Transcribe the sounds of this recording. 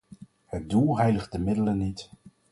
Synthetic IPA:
hət̚dulˠɦɛjləχdəmɪdələnːit

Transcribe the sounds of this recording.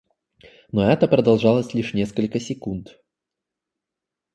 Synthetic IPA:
nɔɛt̪əpɾɐd̪ɐlˠʐalˠəsʲlʲiʂnʲɛskəlʲkəsʲɪkunt̪

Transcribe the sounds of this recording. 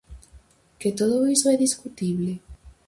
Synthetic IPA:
ket̪oðoisoɛðiskut̪iβle

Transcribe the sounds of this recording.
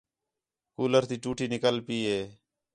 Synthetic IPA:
kuːləɾt̪iːt͡ʃuːʈʰiːnɪkəlpiːɦeː

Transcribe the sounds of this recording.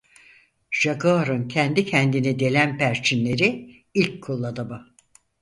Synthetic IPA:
ʒ̥aɡaɾɯncʰɛnd̪icʰɛnd̪inid̪e̞lʲænpʰæɾt͡ʃʰinlʲe̞ɾi | ilʲcʰːulˠːad̪aba

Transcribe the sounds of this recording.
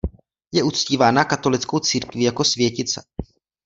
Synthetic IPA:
jɛʔut͡sciːvaːnakat̪o̞lɪt͡sko̞wt͡siːɾkvɪjako̞svjɛcɪt͡sɛ̰

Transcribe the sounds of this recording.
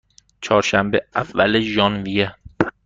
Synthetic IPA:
t͡ʃʰɒːɾʃæmbeævːæleʒɒːnvije

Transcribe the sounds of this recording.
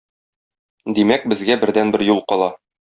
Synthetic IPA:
d̪imæk̚bɘ̆zɡæbɘ̆ɾd̪ænbɘɾjulˠqɒlˠɑ

